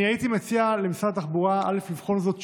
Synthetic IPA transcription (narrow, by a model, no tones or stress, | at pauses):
iait̪imet͡sialemisat̪aχbuʁaa̰leflivχo̞nzot̪